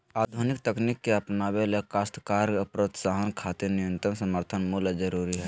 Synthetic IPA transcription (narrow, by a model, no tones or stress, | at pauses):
aːd̪ʱunɪkt̪əknikːeɐpnabelekast̪kaːɾəpɾət̪saɦənkʰat̪iɾnijə̃nt̪ɾəmsəməɾt̪ʰənmuld͡ʒəɾuːɾiɦɛ